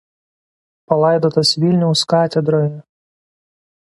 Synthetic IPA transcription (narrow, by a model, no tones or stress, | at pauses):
pɐlˠɑˑɪd̪oːt̪ɐsʋʲilʲnʲɛʊskɑːt̪ʲɛd̪ɾɔːj